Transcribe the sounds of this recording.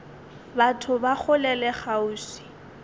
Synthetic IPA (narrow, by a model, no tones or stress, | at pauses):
batʰʊbak͡xʰʊlɛlɛχauːsi̥